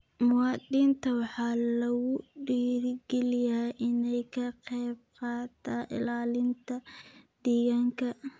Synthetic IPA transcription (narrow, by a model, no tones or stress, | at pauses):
mʊwɑːd̪iːnt̪ʰɐwɑħɑːlɐɣʊɖiːɾɡɛlɪjaʔɪnɛjkʰɐqɛjb̚qɑːt̪ʰaːʔɪ̰laːlɪnt̪ʰɐd̪̥iːɣaŋkʰɐ